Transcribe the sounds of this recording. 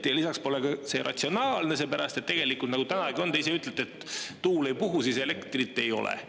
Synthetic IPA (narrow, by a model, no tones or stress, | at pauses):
jɑlisɑkspo̞lekɑse̞̰ɾʔɑ̰t̪ʲsio̞nɑːlne̞s̬e̞ːpæɾɑst̪e̞t̪ːe̞ɡ̥e̞likult̪nɑɡut̪ænɑæɡio̞nd̪eis̬e̞yt̪ˑlet̪et̪ːuːle̞jpuɦusiːse̞le̞kt̪rit̪ːˑe̞jo̞̰lḛ